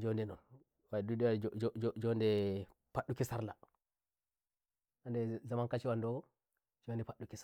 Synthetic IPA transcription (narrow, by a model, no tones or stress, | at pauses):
d͡ʒɔndɛnɔ̰n | wadudɛwad͡ʒɔd͡ʒɔndɛ | paɗːukisaɾla | ʔandɛzamankat͡ʃiwandɔɡɔ | d͡ʒɔandɛpaɗːukis